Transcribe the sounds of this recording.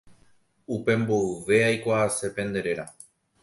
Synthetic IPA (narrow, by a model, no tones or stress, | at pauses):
upe̞mbo̞ɨʋe̞ajkʷaːse̞pẽ̞nd̪e̞ɾe̞ɾa